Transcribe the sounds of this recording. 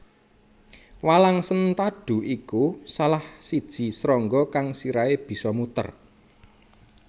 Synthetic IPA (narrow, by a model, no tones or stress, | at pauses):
walaŋsənt̪aɖ̥ṳʔikusalahsid̥ʒ̥i̤sɾɔŋɡɔkaŋsiɾaeb̥i̤sɔmut̪ə̰r